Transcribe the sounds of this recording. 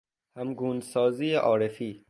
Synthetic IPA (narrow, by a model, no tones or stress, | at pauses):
hæmɡuːnsɒːziːjeʔɒːɾefiː